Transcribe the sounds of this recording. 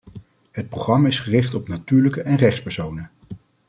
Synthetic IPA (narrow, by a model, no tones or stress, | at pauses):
ɦət̚proχrɑmaɪsχərɪχtɔpnatyːɹləkəʔɛnrɛχspɛɹsownə